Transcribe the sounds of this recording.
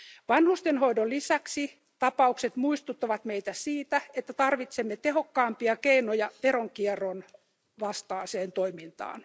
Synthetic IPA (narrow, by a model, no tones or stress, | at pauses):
ʋɑnhust̪enhoidolisæksi | t̪ɑpɑukset̪muist̪ut̪ːɑʋɑt̪meit̪æsiːt̪æet̪ːæt̪ɑrʋit̪semːet̪eɦokːɑːmpiɑkeinojɑʋeɾoŋkierːon | ʋɑst̪ɑːseːnt̪oimint̪ɑ̰ːn